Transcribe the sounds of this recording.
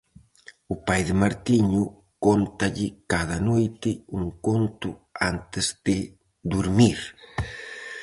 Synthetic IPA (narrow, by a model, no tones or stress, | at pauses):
ʊpajðɪmaɾt̪iɲu | kont̪aʎɪkað̞anojt̪ɪuŋkont̪uant̪ɪzd̪ɪ | d̪uɾmiɾ